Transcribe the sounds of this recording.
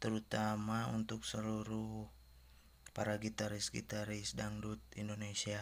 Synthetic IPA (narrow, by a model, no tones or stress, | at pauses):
t̪əɾut̪amaṵnt̪ʊksəluɾu | paɾaɡit̪aɾisɡḭt̪aɾisdaŋdut̪̚indonesia